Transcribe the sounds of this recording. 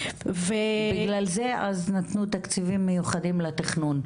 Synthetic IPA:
vebɡlalze̞ʔaznat̪nut̪akt͡sivimːejuχad̪imlat̪iχnun

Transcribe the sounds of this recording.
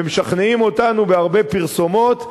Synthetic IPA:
emeʃaχneimo̞tanubeaʁbe̞piʁso̞mo̞t̪

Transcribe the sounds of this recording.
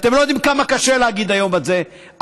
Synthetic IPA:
t̪emlo̞jod̪imkamakaʃeleaɡid̪ajo̞malze̞

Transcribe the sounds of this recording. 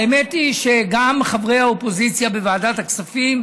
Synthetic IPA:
emetiʃe̞ɡamχavʁejhaopo̞zit͡sjabevaːdat̪aksafim

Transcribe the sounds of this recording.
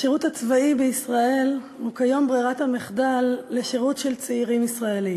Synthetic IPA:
ʃeʁuthat͡svaibeisʁae̞l | hukajo̞mbʁiʁathameχdalːe̞ʃeʁutʃe̞lt͡seiʁimisʁaelim

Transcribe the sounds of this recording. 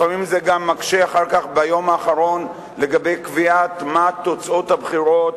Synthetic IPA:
famimzeɡamːakʃeaχaʁkaχbajo̞maːχaʁo̞n | le̞ɡabe̞jkviat̪mat̪o̞t͡so̞t̪habχiʁo̞t̚

